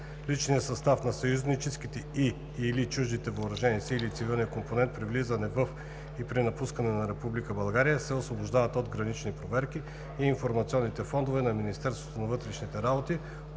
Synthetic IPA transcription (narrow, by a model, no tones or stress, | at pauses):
lit͡ʃnijəsɐst̪afnɐsɐjuznit͡ʃɛsk̟it̪ɛi | ilit͡ʃuʒd̪it̪ɛvəːɾɐʒɛnisiilit̪sivilˠnʲijəkomponɛnt̪̚pɾivlizənɛvəf | ipɾinɐpuskənɛnɐɾɛpublikəbɐlˠɡaɾijəsɛosvoboʒd̪avət̪od̪ɡɾɐnit͡ʃnipɾovɛɾk̟i | iːnfoɾmɐt̪sʲiɔnːit̪ɛfɔnd̪ovɛnɐminist̪ɛɾst̪vo̥t̪onɐvɤt̪ɾɛʃnit̪ɛɾabot̪i